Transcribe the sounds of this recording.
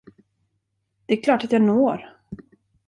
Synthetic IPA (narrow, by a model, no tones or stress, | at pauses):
d̪̥ɛæɾkʰlɑːʈat̪jɑːnoːɾ